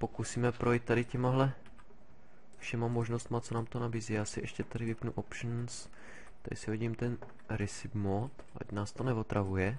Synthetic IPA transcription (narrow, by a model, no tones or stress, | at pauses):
po̞kusiːmɛpɾojit̪t̪ːadɪcɛmaɦlɛ | fʃɛmamoʒnost̪mat͡sonaːmt̪onabiːziːjaːsɪʔɛʃcɛt̪adɪvɪpnuʔopʃn̩s | t̪adɪ̰sɪviɟimt̪ɛn | ɾɪsɪbmot̪ʔa̰ɟnaːst̪onɛvot̪ɾavujɛ